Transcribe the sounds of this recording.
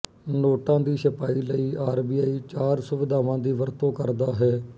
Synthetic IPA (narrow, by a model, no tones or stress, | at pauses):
noːʈãːd̪iːsɪpaːiːləiːʔaːɾbiːaːiːt͡ʃaːɾsʊʋɪd̪aːʋãːd̪iːʋəɾt̪õːkəɾd̪aːɦɛː